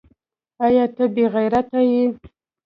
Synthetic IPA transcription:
ajɑt̪əbeɣajɾat̪aji

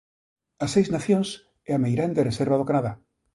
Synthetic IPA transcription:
asejznaθjons | eamejɾand̪ereseɾβað̞okanaða

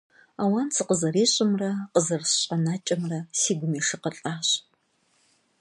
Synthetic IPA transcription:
aːwɐnsʰɨqəzɐriːɕʼɪmrɐqəzɐrɕɕʼɐnaːt͡ʃʼɐmrɐsiːɡʷʊmiːʂɨqəɬʼaːɕʼ

